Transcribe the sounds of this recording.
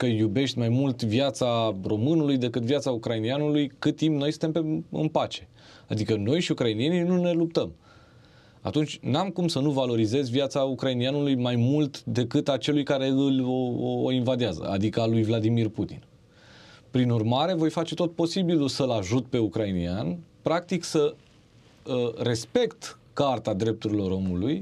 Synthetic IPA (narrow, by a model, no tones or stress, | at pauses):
kəjube̞ʃt̪ʲmajmult̪vjat̪saro̞mɨnulujd̪e̞kɨt̪vjat̪saukɾainianulujkɨt̪̚t̪ːimpno̞jsɨ̥t̪e̞mpeɨ̰npat͡ʃe̞̥ | ad̪ikəno̞jʃiukɾainie̞ninune̞lup̚t̪əm | a̰t̪unt͡ʃʲnamkumsənuvalo̞ɾize̞zʲviat̪saukɾainianulujmajmult̪d̪e̞kɨt̪at͡ʃe̞lujkaɾe̞ɨlʲoo̰invad̪iazə̰a̰d̪ikəalujvlad̪imirput̪ḭn | pɾinurmaɾe̞vo̞jfat͡ʃe̞t̪o̞t̪̚po̞sibilulsəlaʒut̪̚pe̞ukɾainianpɾak̚t̪iksə | re̞spe̞kt̪kart̪ad̪ɾe̞p̚t̪uɾilo̞ɾo̞muluj